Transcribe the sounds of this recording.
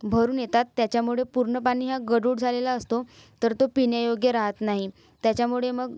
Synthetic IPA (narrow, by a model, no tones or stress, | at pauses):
bʱəɾuːnjet̪at̪ːjat͡ɕjamuɭepuɾɳəpaɽ̃iːɦaɡəɽuɽd͡zʱalelaəst̪o | t̪əɾt̪opinjəjoɡjəɾaɦət̪naɦi | t̪jat͡ɕjamuɭeməɡ